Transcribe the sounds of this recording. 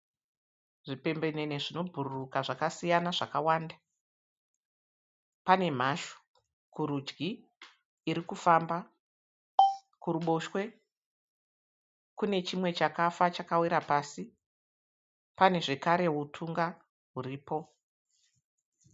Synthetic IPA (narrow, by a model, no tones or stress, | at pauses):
ʐipe̞mbe̞ne̞ne̞ʐino̞bʱururukaʐakasijanaʐakawaːnda | pane̞m̤aʃo̥ | kuɾud͡ʒɡiː | ɾikufamba | kuɾuɓo̞ʃwe̞ | kune̞t͡ʃimwe̞t͡ʃakafat͡ʃakawiɾapaːsi | pane̞ʐe̞kaɾe̞utʰuŋɡa | ɦuriːpo̞